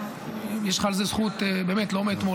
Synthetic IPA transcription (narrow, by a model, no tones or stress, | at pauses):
jeʃχaːlzezχut̪beːmet̪lomet̪mo